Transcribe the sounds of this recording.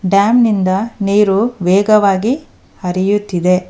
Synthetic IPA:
ɖaːmnind̪ɐneːɾuʋɛːɡɐʋaːɡi | hɐɾijut̪ːid̪e̞

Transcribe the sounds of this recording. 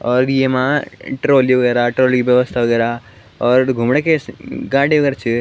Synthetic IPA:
ɔːɾijemaʈɾoːlioɡeɾaʈɾoːliʋjɐʋɐst̪ʰaoɡeɾa | ɔːɾɡʱumɳekeɡaːɽioɡɐɾt͡ʃʰi

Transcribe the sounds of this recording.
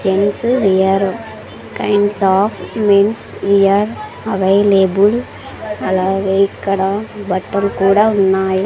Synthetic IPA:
d͡ʒɛnsʋijɐɾ | kɐɪnɖsaːfmensijɐɾ | ɐʋeɪleːbʊl | ɐlɐʋeːkːɐɽɐ̃bɐʈːɐlkuːɽɐʊnːaːj

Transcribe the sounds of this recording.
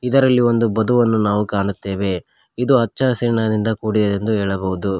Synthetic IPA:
id̪ɐɾɐlːio̞nd̪ubɐd̪uʋɐnːunaːʋukaːɳut̪ːe̞ːʋe̞ | id̪uɦɐt͡ʃːasiɾɳad̪ind̪ɐkuːɽid̪ɐd̪e̞nd̪uɦeːɭɐbɐɦud̪u

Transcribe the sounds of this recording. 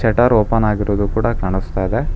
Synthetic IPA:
t͡ʃɛʈɐɾoːpɐnaːɡiɾoːd̪ukuːɽɐkaːɳ̃ist̪ajid̪e

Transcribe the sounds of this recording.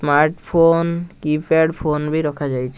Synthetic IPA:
maɾʈpʰonkipeɽpʰonbiɾɔkʰad͡ʑajt͡ɕʰe

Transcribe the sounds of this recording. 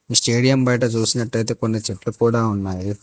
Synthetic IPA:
isʈeːɽijɐmbɐjʈɐt͡ʃuːsinɐʈːɐjt̪ekonːit͡ʃeʈːukuːɽaːunːaːɾi

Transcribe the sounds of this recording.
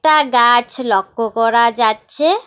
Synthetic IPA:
ʈaɡat͡ɕʰlɔkːokɔɾad͡ʑatːɕʰe

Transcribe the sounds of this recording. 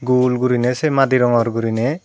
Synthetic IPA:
ɡulɡuɾinɛsemad̪iɾɔŋɔɾɡuɾine

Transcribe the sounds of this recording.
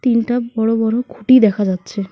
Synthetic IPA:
t̪inʈabɔɽobɔɽokʰuʈid̪ɛkʰad͡ʑat̪ːt͡ɕʰe

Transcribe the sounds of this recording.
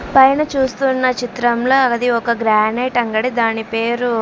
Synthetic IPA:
pɐjnɐt͡ʃuːst̪unːɐt͡ʃit̪ɾɐmloːɐd̪iɔkɐɡɾaːneːʈɐŋɡɐɽid̪aːnipe̞ːɾu

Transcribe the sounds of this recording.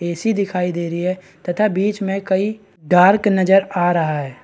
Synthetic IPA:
eːsid̪ɪkʰaːid̪eːɾəiɦɛ | t̪ɐt̪ʰabiːt͡ʃmẽkɐi | ɖaːɾknɐd͡ʒəɾaːɾɐɦaɦɛː

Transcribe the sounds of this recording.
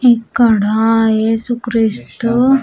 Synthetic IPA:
ekːəɽajesukɾist̪

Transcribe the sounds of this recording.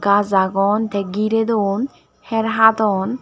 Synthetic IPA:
kazaɡɔnt̪ʰɛɡiɾed̪on | hɛɾɦat̪ɔn

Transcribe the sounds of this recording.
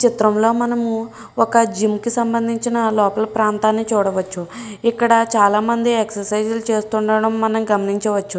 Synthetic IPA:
t͡ʃit̪ɾɐmlo̞ːmɐnɐmu | ɔkɐd͡ʒimkisɐmbɐnd̪ʱiɲt͡ʃinɐlɔːpɐlɐpɾaːnt̪aːnːit͡ʃuːɽɐʋɐt͡ʃːuikːɐɽɐt͡ʃaːlaːmɐnd̪ieksɐɾsɐjd͡ʒulut͡ʃe̞ːst̪uɳɖɐɽɐmːɐnɐmɡɐmɐniɲt͡ʃɐʋɐt͡ʃːu

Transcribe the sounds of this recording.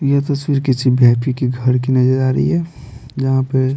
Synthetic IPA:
jat̪ɐswiːɾkit͡ʃʰibʱjaʈikiɡʱəɾkinɐd͡ʒəɾaːɾə̰ḭɦɛd͡ʒɐɦãpe

